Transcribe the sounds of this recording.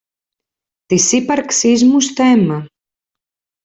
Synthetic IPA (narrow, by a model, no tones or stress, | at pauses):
t̪isipaɾksizmust̪ɛmɐ